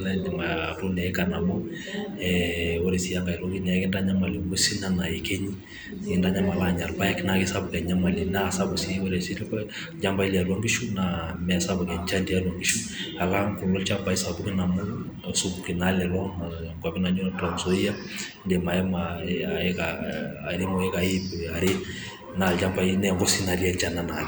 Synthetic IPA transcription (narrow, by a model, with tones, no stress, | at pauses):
na˦ndɛ˨ma˨tu˦nɛ˨ɛ˦ka˨na˨mɔ˦ | ɛo˦ɾe˨si˦ja˦ŋɡa˨i˨lɔ˦ɡi˦nɛ˨a˦kɛ˦nda˦ɲa˦ma˨li˨ŋɡo˦si˦na˨na˨e˨ke˦ɲi˦ | ɪ˨nda˦ɲa˦ma˨la˦˨ɲa˨rba˦jɛ˦kna˨ki˦sa˦bu˨kɛ˨ɲa˦ma˨li˨na˦˨sa˦bu˨si˦wo˦ɾɛ˨si˦l | d͡ʒa˦mba˦i˦li˨a˨lwa˦ŋɡi˦ʃu˦na˨mɛ˨sa˦bɔ˨kɛ˨ɲt͡ʃa˦ndi˨a˦lwa˨ŋɡi˦ʃu˦a˨la˦ŋku˨lɡɔ˦lt͡ʃa˦mba˨i˦sa˨bu˦kɛ˦na˨mu˦˨su˦bu˨ke˨na˦lɛ˨lɔ˦na˨ŋɡwa˨bi˦na˨ɲu˦ta˨n˨sɔ˦i˦ja˦ | ndɛ˨ma˨ɛ˦ma˨a˨ɛ˦kaɾe˦mɔ˨ɛ˦ka˨i˦pa˨ɾe˦ | na˨d͡ʒa˦mba˨i˦nɛ˦˨ŋɡɔ˦si˦na˨ɾi˦a˦ɲd͡ʒa˦˨na˨na˨k